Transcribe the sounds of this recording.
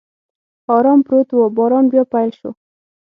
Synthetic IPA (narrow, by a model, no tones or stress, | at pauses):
ɑɾɑmpɾot̪wobɑɾɑmbjɑpajlʃo̰